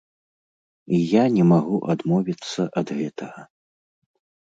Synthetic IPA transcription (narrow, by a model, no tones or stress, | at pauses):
ijanʲɛmaɣuʔad̪mɔvʲit̪sːɐʔɐd̪ɣɛt̪ʰɐɣɐ